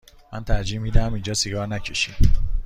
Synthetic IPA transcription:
mæ̰nt̪ʰæɾd͡ʒiːmiːd̪ææmind͡ʒɒːseɡɒːɾnæcʰeʃiːm

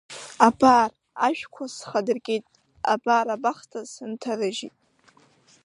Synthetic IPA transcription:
abar | aʒᶣkʷʰasχadɨrɡʲʼejtʼ | a̰baːɾabaχtʰasɨntʰarɨʒitʼ

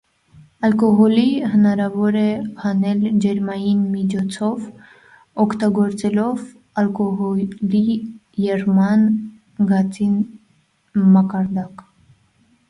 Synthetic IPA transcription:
ɑlkɔɦɔlihənɑɾɑvɔɾɛhɑnɛld͡ʒɛɾmɑjinmit͡ʃʰɔt͡sʰɔv | ɔkʰt̪ɑɡɔɾt͡sɛlɔv | ɑlkɔɦɔli | jɛrmɑn | ɡɑt͡sin | mɑkɑɾd̪ɑk

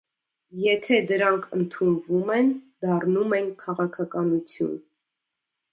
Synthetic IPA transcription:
jɛt̪ʰɛd̪əɾɑŋkʰənt̪ʰunvumɛnd̪ɑrnumɛnkʰɑʁɑkʰɑkɑnut͡sʰjṵn

